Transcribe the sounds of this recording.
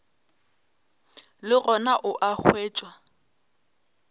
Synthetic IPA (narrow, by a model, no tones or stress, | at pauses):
lɪrɔnaʔʊʔak͡xweːt͡ʃʼwa